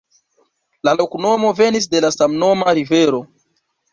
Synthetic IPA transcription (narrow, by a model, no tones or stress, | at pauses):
lalo̞kuno̞mo̞ve̞nis̬de̞lasamno̞maɾive̞ɾo̞